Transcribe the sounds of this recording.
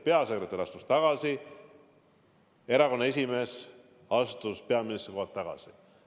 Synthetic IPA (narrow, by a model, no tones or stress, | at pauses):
pe̞ɑsekɾe̞t̪ːˑeɾiɑst̪u̥st̪ɑɡ̥ɑsi | e̞ɾɑko̞nːɑe̞sʲime̞s | ɑst̪uspe̞ɑminist̪ɾriko̞hɑt̪ːɑɡ̥ɑ̰si